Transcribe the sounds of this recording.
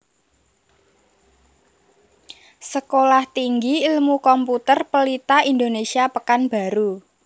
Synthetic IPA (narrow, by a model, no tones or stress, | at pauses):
səkolaht̪iŋɡiilmukɔmput̪ərpəlit̪aind̪onesiapəkanb̥a̤ɾu